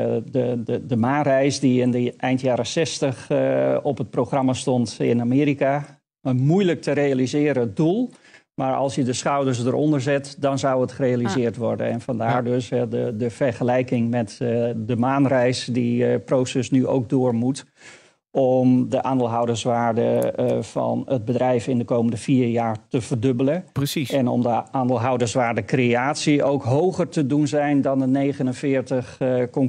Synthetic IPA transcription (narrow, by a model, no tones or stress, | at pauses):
dəədəmaːnrɛjsdiɪndəʔɛjntjaːɾəsɛstəxɔpət̚proxrɑmastɔntɪ̰namɪːɾika | əmujlək̚tʰəɾejalizɪːɾəədulˠ | maɹɑ̰lˠsjədəsχawdəɹs̬dəɾʔɔ̰ndərzɛtdɔnzawətχərejalizɪːrtʋɔɹdə̰nɛnfɑndaːɹdøsɛdədəfɛrχəlɛjkɪŋmɛtdəmaːnrɛjsdiprowsɛsnyʔo̰wk̚dʊːɹmut | ʔɔmdəʔaːndɪlˠɦawdəsʋaːɹdəvɑ̰nəd̚bədrɛjfɪndəkowməndəviːɹjaːɹtəvərdɵbələrəsiɛnɔ̰mdəʔaːndɪlˠɦʌwdəsʋaːɹdəkreaːtsiowkɦowχərtədunzɛjndɑndənejχənənvɪːɹtəχkɔŋ